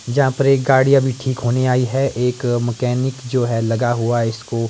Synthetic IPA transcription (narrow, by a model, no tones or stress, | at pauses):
d͡ʒɐɦãpɐɾeːk̚ɡaːɽijabʱiʈʰiːkɦoːneaːiɦɛʔeːkmɛkɛːnɪkd͡ʒoːɦɛlɐɡaɦʊaɪsko